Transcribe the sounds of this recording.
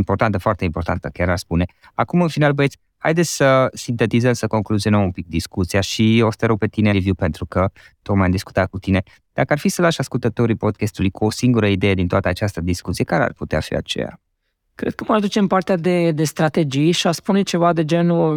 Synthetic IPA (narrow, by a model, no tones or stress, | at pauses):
impo̞rt̪ant̪əfoart̪eimpo̞rɾt̪ant̪əkʲjaɾaʃspune̞ | akumɨnfinalbet̪sʲ | ha̰jd̪et̪sʲsəsint̪et̪izəmsəko̞ŋkluzionəmumpik̚d̪iskut̪siaʃiost̪əɾoɡ̚pe̞t̪inevjupe̞nt̪ɾukə | t̪okmajamd̪isku̥t̪at̪̚kut̪ine̞ | d̪̥akəarfisəlaʃaskult̪ət̪o̞ɾipo̞d̪̚kest̪ulujkuosiŋɡuɾəid̪e̞jed̪int̪oa̰t̪əat͡ʃast̪əd̪iskut̪sijekaɾea̰rput̪ea̰fḭa̰t͡ʃḛja̰ | kɾed̪kəmad̪ut͡ʃempart̪ead̪e̞d̪e̞st̪ɾat̪ed͡ʒijʃiaspunet͡ʃe̞vad̪e̞d͡ʒenuə